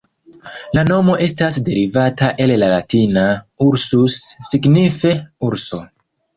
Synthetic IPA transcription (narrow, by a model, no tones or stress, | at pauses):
lano̞mo̞ʔe̞stasde̞ɾivataʔe̞llalatinauɾsusːiɡnife̞uɾso̞